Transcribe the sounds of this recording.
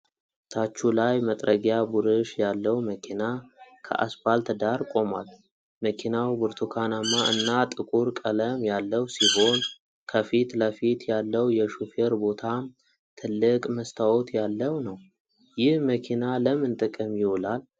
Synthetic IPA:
t̪ʰat͡ʃːulajmət̪ʼɾəɡjabuɾɨʃjalːəwməkʰinakʰə̰ʔa̰sbalt̪ʰəd̪aɾkʼo̞ma̰l | məkʰinawbɨɾt̪ʰukʰanamːaʔɨ̰nːat̪ʼɨkʼuɾkʼələmjalːəwsiɦo̞n | kʰəfit̪ləfit̪jalːəwjɛʃufeɾbo̞t̪ʰam | t̪ʰɨlːɨkʼməst̪ʰawɔt̪ʰjalːəwnəw | jɪhməkʰinaləmɨnt̪ʼɨkʼəmjɪwɔlal

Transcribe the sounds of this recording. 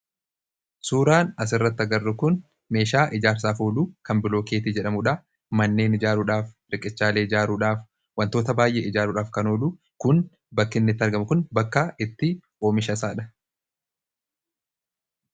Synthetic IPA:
suːɾaːnɐs̬ɪrːɐt̪ːɐɡɐrːʊkʊn | me̞ːʃaːʔɪd͡ʒaːɾs̬aːfoːluːkɐmbɪlo̞ːke̞ːt̪id͡ʒɛᶑɐmʊᶑɐ | mɐnːe̞ːnɪd͡ʒaːɾuᶑaːf | ɾɪkʼɪt͡ʃːaːleːɪd͡ʒaːɾuːᶑaːf | wɐnt̪o̞ːt̪ɐbaːjʔḛːɪd͡ʒaːɾuːᶑaːfkɐnoːluː | kʊn | bɐkːɪnːɪt̪ːɐɾɡɐmʊkʊnbɐkːaɪt̪ːɪ | o̞ːmɪʃɐsaːᶑɐ̥

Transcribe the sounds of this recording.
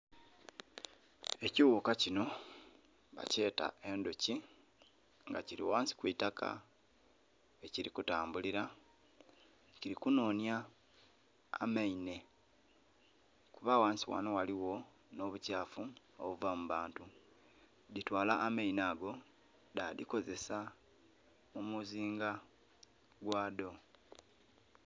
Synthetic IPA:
e̞ciwukacino̞ | βa̰ce̞ːta̰e̞ndoci | ŋɡaciɾḭwaːnsi̥kwitakʰa̰ | eciɾikutaːmbuliɾa | ciɾikuno̞ːnja | maine̞ | kuβawaːnsiwa̰nowaliwo̞ | no̞βucaːfu | oβuvamuβaːntu | ditwaːlaʔːmainaːɡo̞ | dadiko̞ze̞sa | mumuziːŋɡa | ɡwaːdo̞

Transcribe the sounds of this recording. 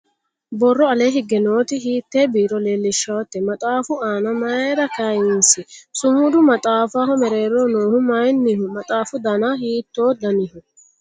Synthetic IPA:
bɔrːɔɐleːɦɪɡːɛnoːt̪ɪhiːt̪ːeːbiːɾɔleːlːɪʃːɐwɐt̪ːɛmɐt̪ʼaːfʊaːnɐmɐeɾɐkɐjɪnsɪsʊmʊd̪ʊmɐt̪ʼaːfaːɦɔmɛɾeːɾoːnoːhʊmɐjnːihʊmɐt̪ʼaːfʊd̪ɐnahiːt̪ːoːd̪ɐnɪhʊ

